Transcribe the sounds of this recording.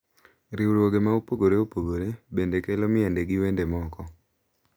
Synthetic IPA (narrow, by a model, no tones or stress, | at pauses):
ɾiuɾwoɡemaopoɡoɾeopoɡoɾebendekelomɪandeɡɪwendemɔkɔ